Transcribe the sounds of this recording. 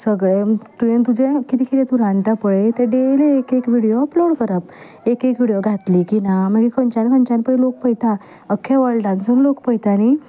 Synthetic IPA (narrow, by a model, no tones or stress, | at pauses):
səɡɭet̪uẽnt̪ud͡ʑẽkit̪ikʰit̪ɛt̪uɾãnt̪apəɭet̪əɾɖeleːkekʋiɽijoəploɽkəɾap | ekekʋiɽijoɡʱat̪likinam̤əɡekʰəɲt͡ɕãnkʰənt͡ɕãnpəilok̚pəjt̪a | əkʰːeʋəɭʈansə̃nlokpəjt̪ani